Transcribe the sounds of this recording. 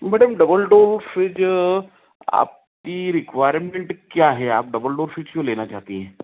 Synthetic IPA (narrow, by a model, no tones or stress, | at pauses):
mɛɖəmɖəbəlɖoɾfid͡ʒ | a̰p̚ | kiɾɪkʋajɾmeɳʈkjaɦɛaːp̚ɖəbəlɖoːɾfid͡ʒjolenat͡ʃaɦt̪iɦɛ̃